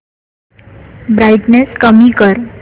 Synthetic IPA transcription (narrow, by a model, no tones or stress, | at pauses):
bɾajʈneskəmikəɾ